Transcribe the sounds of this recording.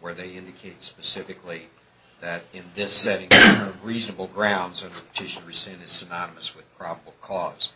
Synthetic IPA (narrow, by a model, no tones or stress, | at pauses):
wə˞ðeɪɪ̃ndɨkʰeɪtspɨsɪfɨkli | ðɨɾɪ̃nðɪsɛɾɪ̃ŋɨə̃ʌvɹiznɨbl̩ˠɡɹãʊ̃ndzʌ̃nə˞pʰə̥tʰɪʃnɹɨsɪ̃nɨz̥sɨnɑnɨmɨswɨð̥pʰɹ̥ɑbəbl̩ˠkʰɔz̥